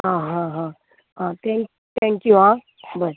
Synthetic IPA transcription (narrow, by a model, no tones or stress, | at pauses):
ɦãɦãɦã | ɦãt̪ʰɛ̃ŋk | t̪ʰɛ̃ŋkjuɦã | bəɾ